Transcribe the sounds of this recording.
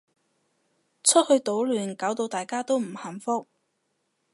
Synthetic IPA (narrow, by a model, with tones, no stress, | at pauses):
t͡sʰɵ˥t̚hɵ˧ɥt̪o˨˥wlyː˨˩nkaː˨˥wt̪o˧wt̪aː˨˩jkaː˥t̪o˥wm̩˨˩hɐ˨˩mfʊ˥k̚